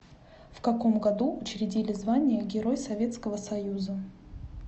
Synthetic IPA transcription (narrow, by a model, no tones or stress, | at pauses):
fkɐko̞mɡɐd̪uʊt͡ɕɾʲɪdʲilʲɪzvanʲɪjəɡʲɪɾo̞jsɐvʲe̞t̪skəvəsɐjuzə